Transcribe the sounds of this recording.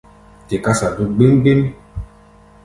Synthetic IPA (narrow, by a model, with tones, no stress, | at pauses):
te˨ka˦sa˨du˦ɡ͡bi˦ŋɡ͡bi˦m